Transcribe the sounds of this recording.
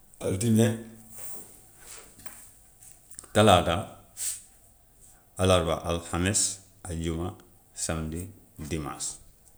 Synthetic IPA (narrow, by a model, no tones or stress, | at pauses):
a̰ltine | talada | alaɾba̰ʔalhames | aɟuma | samdi | dima̰s